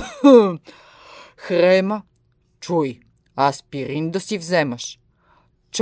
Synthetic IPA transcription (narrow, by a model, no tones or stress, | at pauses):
xɾɛmɐ | t͡ʃuj | aspiɾind̪osivzɛmɐʃ | t͡ʃ